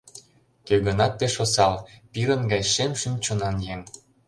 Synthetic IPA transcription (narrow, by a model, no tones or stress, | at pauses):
køɣə̆nɑt̪̚peʃosɑlpiɾə̆nɡɑjʃemʃymt͡ɕŏnɑnjeŋ